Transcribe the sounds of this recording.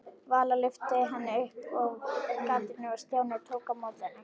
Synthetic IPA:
vaːlalʏft̪ɪɦanːɪʏhpɔɣkat̪ɪnɪvast̪jaːwnɪt̪ʰoːwkamawt̪anːɪ

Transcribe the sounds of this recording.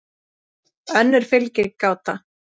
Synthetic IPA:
œnːɪɾ̥fɪlcɪɾkaːwt̪a

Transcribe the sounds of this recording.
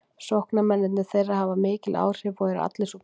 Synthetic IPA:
sɔhknamɛnːɪt̪nɪ̥θejrːahavamɪːcɪlʔa̰ːwr̥ɪvɔɣɛɾ̰a̰t̪lɪsu

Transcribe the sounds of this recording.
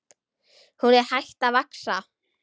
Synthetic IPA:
huɾɛhajht̪avaksa

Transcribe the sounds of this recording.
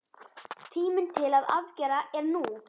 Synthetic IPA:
t̪ʰiːmɪnt̪ʰɪlaða̰vcɛːɾaʔɛɾnuː

